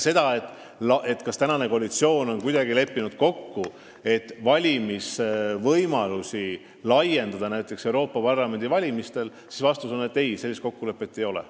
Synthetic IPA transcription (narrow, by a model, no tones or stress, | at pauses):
se̞d̪̥ɑe̞t̪ːˑ | lɑʔe̞t̪ːˑkɑst̪ænɑne̞ko̞ɑlit̪sio̞ːno̞nkujd̪̥ɑɡile̞pːinud̪̥ko̞kːu | e̞t̪ːvɑlʲimisvɤjmɑlusi | lɑje̞nd̪ɑd̪ɑnæjt̪ˑːe̞kse̞wɾo̞ːpːɑpɑrlɑme̞nd̪̥ivɑlʲimist̪e̞l | si̥svɑst̪usonːe̞t̪ːe̞jse̞lːist̪ko̞kːule̞pːˑe̞t̪ːe̞jo̞lɛ̰